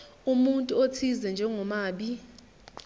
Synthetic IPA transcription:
umuntʼuotʰizɛnd͡ʒʱɛŋɔmaːɓi

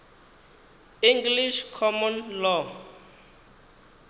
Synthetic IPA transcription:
iŋɡliʃkʰɔmɔnlɔ

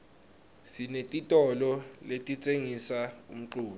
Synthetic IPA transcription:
sinetʼitʼɔlɔletʼit͡sʼeŋisaṵm̩ǃuːɓɛ

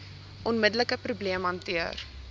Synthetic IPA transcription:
ʔɔnmədələkəprubliəmɐntiər

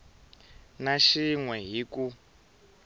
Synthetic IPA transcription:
naʃiŋwɛɦiku

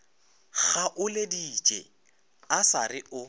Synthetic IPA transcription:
ɣaʔʊledit͡ʃʼɛ | asa̰rɪʔʊ

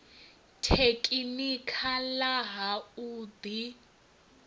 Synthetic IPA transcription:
tʰekʼinikʰalaɦauːbi

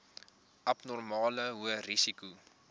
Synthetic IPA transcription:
ʔɐpnɔrmɑːləɦuərisiku

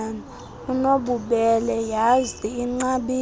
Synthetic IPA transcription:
na | unoɓuɓɛlɛjaziːŋ͡ǀaɓi

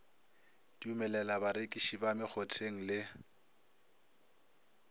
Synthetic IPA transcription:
diumɛlɛlabaɾekʼiʃibamɪk͡xʰotʰeŋ̩lɪ

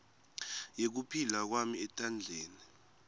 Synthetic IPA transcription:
jek̬upʰilak̬wamiɛtʼand͡ɮʱeːni

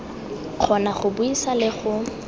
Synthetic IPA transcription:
χʰɔnaχʊbʊisalɪχʊ

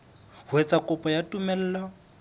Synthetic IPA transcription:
hʊɛt͡sʼakʼʊpʼɔjatʼumɛl̩ːla

